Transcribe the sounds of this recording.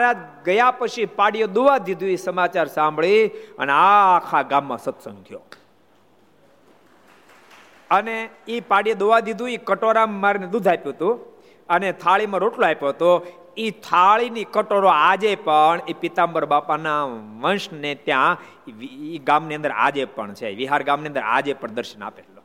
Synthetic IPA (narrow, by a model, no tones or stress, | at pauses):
ɾaɡəjapət͡ʃʰipaɽijod̪oʋad̪id̪ʱũisəmat͡ʃaɾsãmbɭiə̰neakʰaɡamːã̰sət̪sə̰̃ŋɡd̪ʱjo̰ | əneipaɽijod̪oʋad̪id̪ʱũikəʈoɾaːaɾined̪ud̪ʱapjũɦət̪ũ | ənet̪ʰaɭimãɾoʈloajpõɦt̪o | it̪ʰaɭinikəʈoɾoad͡ʒepəɳipit̪ambəɾbapanaʋənʃnet̪jã | iɡamniə̃nd̪əɾa̰d͡ʒepə̰ɳt͡ʃʰḛʋiɦaɾɡamniənd̪əɾa̰d͡ʒepəɳd̪əɾʃəna̰peɾlo